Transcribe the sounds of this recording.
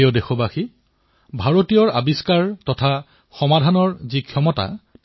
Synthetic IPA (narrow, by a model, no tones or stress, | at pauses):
odexɔbaxi | bʱaɹotijɔɹa̰biskaɹtɔtʰa | xɔmadʱanɔɹzikʰjɔmɔta̰